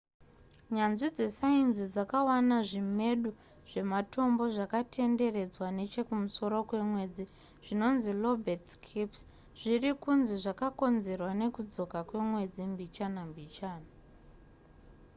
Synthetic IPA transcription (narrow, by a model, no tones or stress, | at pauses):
ɲanʐid͡ze̞sainzid͡zakawanaʐime̞ɗu | ʐ̥e̞mato̞mbo̞ʐakatʰe̞nde̞re̞d͡zwane̞t͡ʃe̞kumuso̞ɾo̞kwe̞mwe̞d͡zi | ʐ̥ino̞nzilo̞bʱertkʰips | ʐ̥irikunziʐakako̞nze̞rwane̞kud͡zo̞kakwe̞mwe̞d͡zimbit͡ʃanambit͡ʃaːna